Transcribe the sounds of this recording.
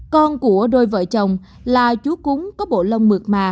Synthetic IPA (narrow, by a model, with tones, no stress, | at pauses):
kɔ˧nku˧˩əɗo˧jvə̰ː˧˨jt͡ɕə˨˩wŋ͡m | laː˨˩t͡ɕu˨˦kʊ˨˦ŋ͡mkɔ˨˦ɓo̰˧˨lə˧wŋ͡mmɨ˨˩k̚maː˨˩